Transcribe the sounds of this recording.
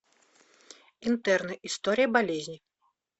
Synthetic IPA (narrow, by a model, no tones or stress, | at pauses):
int̪ɛrnɨʔist̪ɔɾʲijɐbalʲezʲnʲi